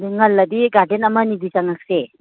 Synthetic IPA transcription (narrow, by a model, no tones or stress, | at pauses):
diŋɐlːɐdiɡadenɐmɐnidisaŋak̚se